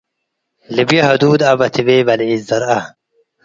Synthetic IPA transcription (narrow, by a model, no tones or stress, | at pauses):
libjɐɦɐd̪uːd̪ɐbɐt̪ʰibeːbɐliizd̪ɐɾɐ